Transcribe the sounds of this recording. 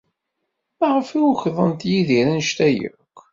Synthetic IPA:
mæʁəfiwçðˤənt̪jiðiɾænʃt̪æjə̰kʷː

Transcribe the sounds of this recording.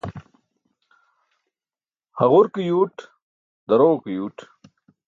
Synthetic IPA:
hɐʁuɾkijuːʈ | d̪ɐɾoːkijuːʈ

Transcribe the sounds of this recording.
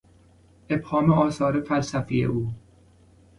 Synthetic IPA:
e̞bhɒːmeɒːsɒːɾefælsæfijḛʔuː

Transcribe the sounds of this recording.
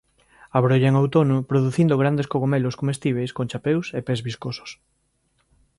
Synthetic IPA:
aβɾoʎaeŋawt̪onʊpɾoðuθind̪oɣ̞ɾand̪eskoɣomeloskomest̪iβ̞ejskõnt͡ʃapewsepezβiskoso̥s

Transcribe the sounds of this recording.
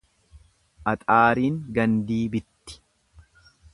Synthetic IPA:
ʔɐt̪ʼaːɾiːŋɡɐnd̪iːbɪt̪ːɪ̥

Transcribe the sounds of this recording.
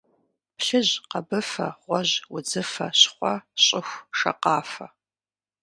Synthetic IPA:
pɬɨʑqɐbɨfɐʁʷɔʑwʊd͡zɨfɐɕχʷɔɕʼɪxʷʂɐ̰qɑːfɐ

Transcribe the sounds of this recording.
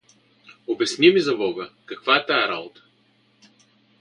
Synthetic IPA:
obʲɛsnimizɐbɔɡəkɐkvaɛt̪aɛɾa̰bot̪ə̥

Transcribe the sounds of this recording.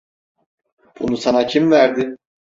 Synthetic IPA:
b̥ṵnusanacʰimvæɾd̪ɪ

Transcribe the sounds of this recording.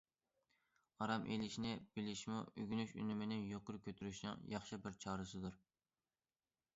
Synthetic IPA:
ɑɾɑmʔelɪʃnɪb̥ɪlɪʃmuyɡʲynyʃy̰nymɪnɪnjoqʊɾkʲʰøt̪ʰyɾyʃnɨ̰ŋjɑχʃɨbɪɾt͡ʃʰɑːɾɨsɨd̪uɾ

